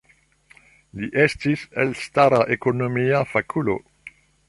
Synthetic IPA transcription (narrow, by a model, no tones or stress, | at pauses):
liʔestiselstaɾaʔekonomiafakʰulo̰